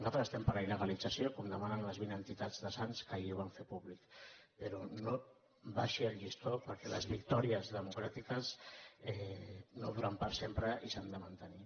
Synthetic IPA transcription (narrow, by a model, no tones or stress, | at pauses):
zat̪ɾəəst̪ɛmpəɾainəɣalid͡zəsjokomd̪əmanənləzβinənt̪it̪ad͡zðəsanskəiuβaɱfepuβlikpeɾono | βaʃiəlʒist̪opəɾkɛlə̰zβikt̪ɔɾiəzðəmukɾat̪ikəsɛnoðuɾampəɾsempɾəʔisand̪əmant̪əni